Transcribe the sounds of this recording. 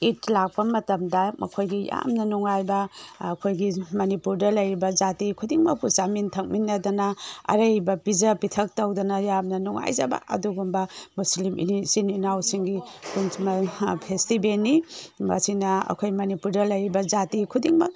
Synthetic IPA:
itlak̚pɐmɐtɐmdɐmɐ̰kʰojɡija̰mnɐnuŋajbɐːkʰojɡimɐnipuɾdɐlɐjɾibɐzatikʰudiŋbɐpusamintʰɐk̚minːɐdɐnɐɐ̰ɾɐjbɐpizɐpitʰɐk̚tɐwdɐnɐjamnɐnɔŋa̰jzɐ̰ba̰ʔɐ̰duɡumbɐmuslimḭsininawsiŋɡikunsmɐpʰestibenːimɐ̰sinɐɐ̰kʰojmɐnipuɾdɐlɐjɾibɐzatikʰudiŋmɐ̰

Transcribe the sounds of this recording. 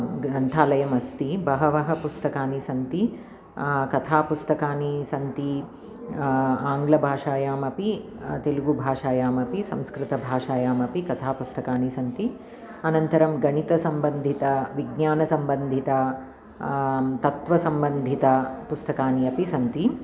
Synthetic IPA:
ɡɾɐnt̪ʰaːlɐjɐmɐst̪ibɐɦɐʋɐɦɐpust̪ɐkaːnisɐnt̪i | kɐt̪ʰaːpust̪ɐkaːnisɐnt̪i | aːŋɡlɐbʱaːʂaːjaːmɐpi | t̪eluɡubʱaːʂaːjaːmɐpisɐ̃mskɾɪt̪ɐbʱaːʂaːjaːmɐpikɐt̪ʰaːpust̪ɐkaːnisɐnt̪i | ɐnɐnt̪ɐɾɐmɡɐɳit̪ɐsɐmbɐnd̪ʱit̪ɐʋiɡ̚ɲaːnɐsɐmbɐnd̪ʱit̪ɐ | t̪ɐt̪ʋɐsɐmbɐnd̪ʱit̪ɐpust̪ɐkaːniɐpisɐnt̪i

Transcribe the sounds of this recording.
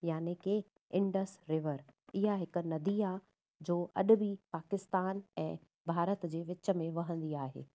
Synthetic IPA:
jaːneke | ɪ̃ɳɖəsɾɪʋəɾɪɦaɦɪk̆nɐd̪ia | d͡ʑoːʔɐɗʊ̆bipaːkɪst̪aːnɛ̃ː | bʱaːɾət̪d͡ʑeːʋɪt͡ɕə̆mẽʋɐɦə̃nd̪iaːɦḛː

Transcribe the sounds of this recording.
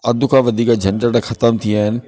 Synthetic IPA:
ɐd̪ʱʊkʰãʋɐd̪ʱiːkad͡ʑʱɐnʈəʈɐxɐt̪əmt̪ʰiaːɦɪnɪ̆

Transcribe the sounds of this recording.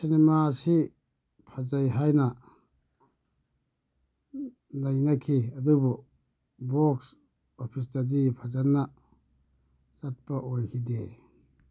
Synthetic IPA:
sinemasi | pʰazajɦajnɐ | najnɐkʰiɐdubu | boks | opʰis̬tadipʰazanːɐ | t͡ʃat̚pɐʔojhide

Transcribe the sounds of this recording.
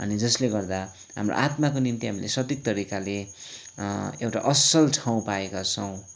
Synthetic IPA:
ʌ̰nid͡zʌsleɡʌrd̪a | ɦa̰mro̰ʔat̪makonint̪iɦamilḛsʌd̪ik̚t̪ʌɾikale | ewʈaʔʌsʌlʈʰaw̃paekat͡sʰʌw̃

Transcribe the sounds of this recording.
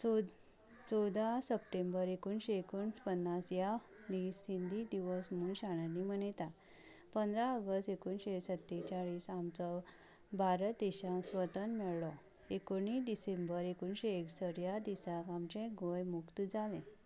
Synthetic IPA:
t͡sɔwd̪asəpʈẽmbəɾekunɕeekuːnpənːasja | d̪iːsːind̪ʱid̪iʋəsmunɕaɽ̃animəɳt̪at̪ | pənd̪ɾaəɡəst̪ekuːnɕesət̪ːet͡ɕaɭiːsamt͡sɔ | baɾət̪eɕãsʋət̪ənmɛɭlɔ | ekoɳ̃iɖisẽmbəɾekuːnɕeeksəɽjad̪isakamt͡ɕɛ̃ɡʱojmukt̪d͡zalẽ

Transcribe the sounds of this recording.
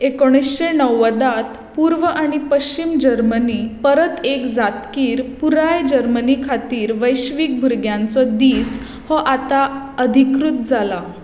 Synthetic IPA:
ekoɽ̃isɕenəwːəd̪at̪ | puɾʋəʔaɽ̃ipəɕt͡ɕimd͡ʑəɾmənipəɾət̪ekd͡zat̪kiːɾpuɾajd͡ʑəɾmənikʰat̪iːɾʋəjɕʋiːk̚bʱuɾɡjãnt͡sɔd̪iːs | hɔʔat̪a | əd̪ʱikɾut̪̚d͡zʱala

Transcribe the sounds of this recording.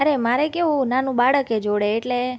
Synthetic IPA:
əɾemaɾekeũnanũbaɽəked͡ʒoɽeːʈle

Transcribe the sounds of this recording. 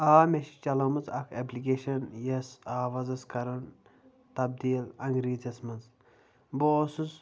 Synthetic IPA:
aːmeʃi̥t͡ʃɐlɐmɐzɐkʰeplik̬eːʃɐnjɐsaːʋɐzɐskɐɾɐn | t̪ɐb̚d̪iːlɐŋɡɾiːzɐsmɐnz | boːsuz

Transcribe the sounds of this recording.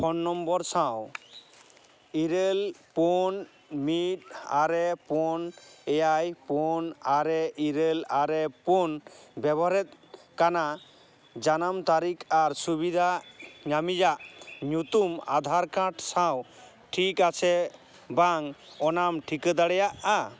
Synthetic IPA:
pʰɔnːɔmbɔɾsaw | iɾelpɔn | mit̪̚aɾɛpɔnɛjajpɔnaɾɛʔiɾelaɾɛpɔnbɛbɔɦaɾɛt̪̚kana | d͡ʒanamt̪aɾikaɾsubid̪ʱaɲamid͡ʒaʔɲut̪uma̰d̪ʱaɾkãʈsaw | ʈʰikasɛ | baŋ | ɔnamʈʰikəd̪aɽɛjaʔa

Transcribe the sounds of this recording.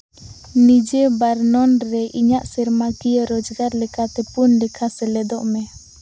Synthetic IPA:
nid͡ʒɛbaɾnɔnɾɛʔiɲaʔsɛɾmakijaɾɔd͡ʒɡaɾlɛkat̪ɛpunɖɛkʰasɛlɛd̪ɔʔmɛ

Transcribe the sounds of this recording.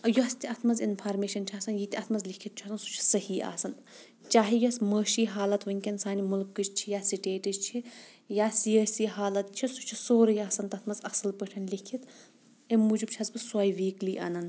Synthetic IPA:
ɐjost̪iɐt̪ʰmɐzinpʰaːɾmeːʃɐnt͡ʃʰɐːsɐnjit̪ʲiɐt̪ʰmɐzlikʰit̪̚t͡ʃʰɐsɐnsu̥t͡ʃʰi̥sɐhiːa̰ːsɐn | t͡ʃaːɦijosməːʃiːɦaːlɐt̪ʋɐŋʲkʲɐnsaːnimulkːɨd͡ʒt͡ʃʰijaːsiʈeːʈid͡ʒt͡ʃʰi | jaːsiəːsiːɦaːlɐt̪̚t͡ʃʰisut͡ʃʰi̥soːɾɐjaːsɐnt̪ɐt̪ʰmɐzɐsɨlpəʈʰɐnlikʰit̪ | emmːuːd͡ʒɨbt͡ʃʰɐzbɨsaːjʋiːkliʔa̰ːnɐn

